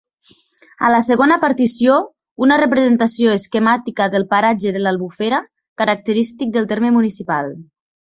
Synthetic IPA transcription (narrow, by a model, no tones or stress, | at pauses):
a̰ləsəɣonəpaɾt̪isijo | unərəpɾəzent̪asioeskemat̪ikəðəlˠpaɾad͡ʒəðəlalˠβufeɾə | kəɾak̚t̪əɾist̪ik̚d̪əlˠt̪eɾmemunisipalˠ